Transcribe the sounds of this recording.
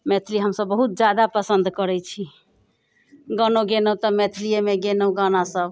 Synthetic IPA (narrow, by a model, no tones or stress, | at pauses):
mɛt̪ʰiliɦəmsəbːəɦut̪̚d͡ʒjad̪apəsənd̪kəɾɛt͡ʃʰi | ɡənoɡenot̪ɔmɛt̪ʰlijemeɡenoɡanasəb